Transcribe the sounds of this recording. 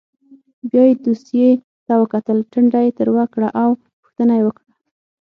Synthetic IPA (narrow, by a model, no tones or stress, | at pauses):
bjɑjed̪usje | t̪awəkat̪əlʈəɳɖajet̪əɾwakɽaʔaw | pʊ̥xt̪ənajewəkɽa